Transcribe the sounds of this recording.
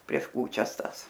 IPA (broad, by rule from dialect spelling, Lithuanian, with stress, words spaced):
pʲrʲiɛʃ ˈkuːt͡ʃʲɛs ˈtɑːs